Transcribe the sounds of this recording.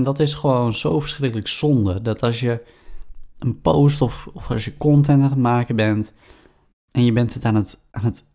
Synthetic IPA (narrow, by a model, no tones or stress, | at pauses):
ndɑtɪsχəʋownzowvə̥ɹsχrɪkələksɔndədɑtɑlˠsjə | ənpowstɔfɔfɑlˠsjəkɔntɛntanətmaːkəbɛnt | ɛnjəbɛntətaːnətʔaːnɦət